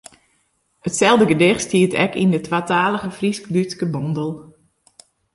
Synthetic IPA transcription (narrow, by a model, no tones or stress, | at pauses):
ətsɛlˠdəɡədɪxtstiːətɛ̰kḭndətwaːtaːləɣəfrisklytskəbɔndəlˠ